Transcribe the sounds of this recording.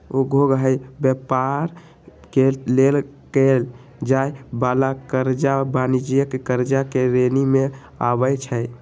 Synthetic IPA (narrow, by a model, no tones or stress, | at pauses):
oɡʱoɡɦəjbepaɾ | kelel | kel | d͡ʒajbalakəɾd͡ʒabanid͡ʒijəkkəɾd͡ʒakeɾenime | a̰bəjt͡ʃʰəj